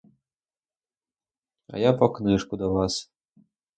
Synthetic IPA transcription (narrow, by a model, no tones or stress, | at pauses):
a̰japɔknɨʂkud̪ɔvas